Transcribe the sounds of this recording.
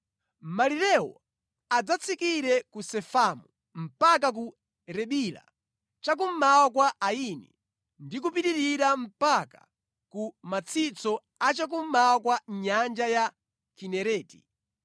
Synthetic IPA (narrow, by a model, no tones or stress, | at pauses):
maliɾɛwɔ̰ | ad͡zat͡sʰikiɾɛkusɛfamu | m̩pakak̬u | ɾɛɓila̰ | t͡ʃak̬um̩mawak̬waainḭ | ndik̬upiɾiɾiɾam̩pakḁ̰ | kumat͡sʰit͡sɔ | at͡ʃak̬um̩mawakwaɲand͡ʒaja | kinɛɾɛːti̥̰